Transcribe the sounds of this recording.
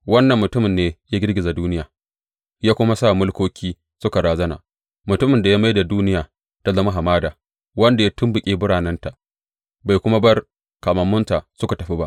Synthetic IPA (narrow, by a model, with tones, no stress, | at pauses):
wɐ˦nːɐ˨mːʊ˨tʊ˦mɪ˨nːeː˦ja˦ɡʲɪ˦ɽɡʲɪ˨za˨duː˦nɪ˦jaː˨ | jaː˦kʷʊ˦ma˦saː˦˨mʊ˦lkʷoː˦kʲʰiː˦ | sʊ˦ka˨ɽaː˨zɐ˦na̰ː˨ | mʊ˨tʊ˦mɪ˨nda˨ja˦ma˦jda˨duː˦nɪ˦jaː˨ | ta˦zɐ˦ma˦ɦa˨maː˦daː˨ | wɐ˦nda˨ja˦tʊ˦mbʊ˨kʲʼeː˦bʊ˦ɽaː˨nɐ˦nta˨ | ba˨jkʷʊ˦ma˦bɐ˦r | ka˨mɐ˨mːʊ˦nta˨ʔsʊ˦ka˨tɐ˨ɸi˦ba˦ʔ